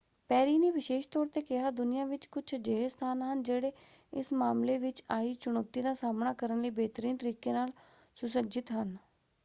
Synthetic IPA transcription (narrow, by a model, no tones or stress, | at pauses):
pɛːɾiːneːʋɪʃeːʃt̪ɔːɾt̪eːkɪɦaːd̪ʊnɪjãːʋɪt͡ʃkʊt͡ʃʰd͡ʒeːɦst̪ʰaːnɦənd͡ʒeːɽeː | ɪsmaːmleːʋɪt͡ʃaːiːt͡ʃʊñɔːt̪iːd̪aːsaːmɳaːkəɾənləiːbeːt̪əɾiːnt̪əɾiːkeːnaːl | sʊsəd͡ʒɪt̪ɦən